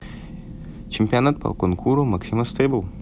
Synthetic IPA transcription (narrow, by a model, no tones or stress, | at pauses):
t͡ʃʲɛmʲpʲijonat̪̚pɐ̰konkʰuːɾomɐksʲimɐst̪ɐɪbʊlˠ